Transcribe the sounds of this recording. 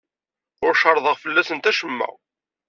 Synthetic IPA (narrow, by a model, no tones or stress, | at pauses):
ʊɾʃɑɾˤðˤəʁfəlːæsənt̪æʃəmːæ̰